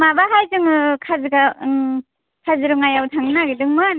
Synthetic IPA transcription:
mabaɦajzɯŋɯkʰazɯɡa | kʰazɯɾɯŋajawtʰaŋnaɡidɯŋmɯn

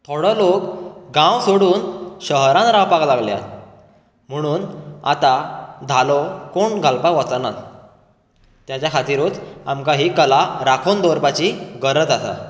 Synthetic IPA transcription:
t̪ʰoɽəlokɡãwsoɽuːnɕəɦɾãnɾãwpaklaɡlja̰ | m̤əɽ̃uːna̰t̪ad̪ʱalokoɳɡʱalpaʋɔt͡sanat̪ | t̪jat͡ɕjakʰat̪iɾuːt̪a̰mkaɦiːkəlaɾakʰond̪oɾpat͡ɕiːɡəɾət̪asa̰

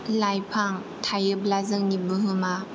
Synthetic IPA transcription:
lajpʰaŋ | tʰajɯblazɯŋnibɯɦɯma

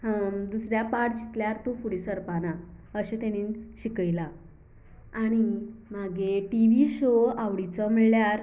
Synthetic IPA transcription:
d̪usɾjapaʈd͡ʑit̪ljaɾt̪ũfuɽisəɾpanaəɕẽt̪añinɕikəjla | aɽ̃imaɡeʈiʋiɕoaʋɽit͡sɔm̤əɭljaɾ

